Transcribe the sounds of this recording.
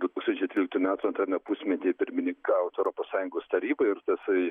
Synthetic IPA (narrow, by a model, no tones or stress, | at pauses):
d̪ʊt̪uːksɐnʲt͡ʃʲɛɪt̪ʲɾʲilʲɪkt̪ujmʲæːt̪uɐnt̪ɾɑːmʲɛpuːsʲmʲɛt̪ʲeːpʲɪɾʲmʲɪnʲɪŋkɑːʋot̪ɛʊɾoːpoːssɑːjʊŋɡoːst̪ɐɾʲiːbɐɪrt̪ɐsɐɪ